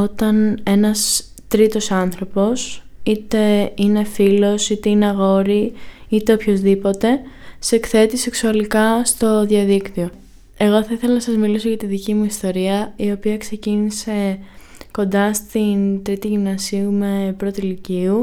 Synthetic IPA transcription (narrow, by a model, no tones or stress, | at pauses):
o̞t̪ɐne̞nɐst̪ɾit̪o̞sɐnθɾo̞po̞sit̪e̞ine̞filo̞sit̪e̞ineɐɣo̞ɾiit̪e̞opço̞zðipo̞t̪e̞se̞kθe̞t̪ise̞ksuɐlikɐst̪o̞ðiɐðikt̪io | e̞ɣo̞θɐiθe̞lɐnɐsɐzmiliso̞ʝɐt̪iðicimuist̪o̞ɾiɐio̞piɐkse̞cinise̞ | ko̞nd̪ɐst̪int̪ɾit̪iʝimnɐsiume̞pɾo̞t̪iliciu